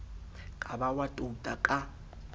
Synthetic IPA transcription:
kʼabawatʼutʼakʼa

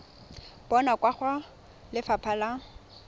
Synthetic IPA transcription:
b̥ɔnakʼwaχwa | lɪfapʰala

